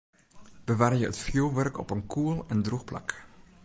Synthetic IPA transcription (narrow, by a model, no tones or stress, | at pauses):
b̥əʋaːrjəətfjolʋœrkɔ̰pənkʰuəlˠɛndruxpla̰k